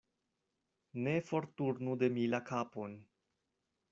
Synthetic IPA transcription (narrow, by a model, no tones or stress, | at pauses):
ne̞fo̞ɾtuɾnude̞milakapo̞n